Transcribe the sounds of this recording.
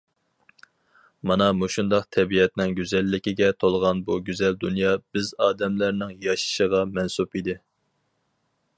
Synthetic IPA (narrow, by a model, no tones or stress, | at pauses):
mɑnɑmuʃund̪ɑqt̪ʰɛbiɛt̪nɪŋɡʲyzɛlːɪkʲiɡʲɛt̪ʰolˠʁɑnbuɡʲyzɛld̪unjɑb̥ɪzɑːd̪ɛmlæɾnɪŋjɑʃi̥ʃəʁɑmɛnsupid̪ɪ